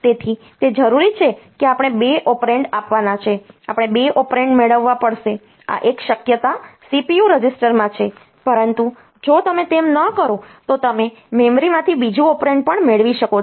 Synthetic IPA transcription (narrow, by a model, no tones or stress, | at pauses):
t̪et̪ʰi | t̪ed͡ʒəɾuɾit͡ʃʰekeapəɽ̃ebeʔɔpɾeɳɖapʋanat͡ʃʰeapɽ̃ebeʔɔpɾeɳɖmeɭəʋːapəɽʃe | a̰ʔekʃəkjət̪asipijuɾəd͡ʒɪsʈəɾmãt͡ʃʰe | pəɾənt̪u | d͡ʒot̪əmet̪emnəkəɾot̪ot̪əme | memɾimãt̪ʰibid͡ʒuɔpɾẽɳɖ̚pəɳmeɭʋiʃəko